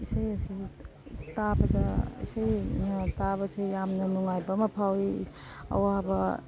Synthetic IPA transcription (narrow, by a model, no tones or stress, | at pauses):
isajɐsi | tabɐdɐḭsajnɐtabɐsʰejjamnɐnuŋajbɐmɐpʰawi | ɐ̰wabɐ